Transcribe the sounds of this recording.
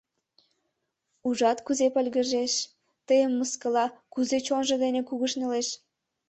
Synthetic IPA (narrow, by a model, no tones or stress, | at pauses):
uʒɑt̪kuzepəlʲɣə̆ʒeʃ | t̪əjəmːəskəlɑkuzet͡ɕonʒə̆d̪enekuɣəʃneleʃ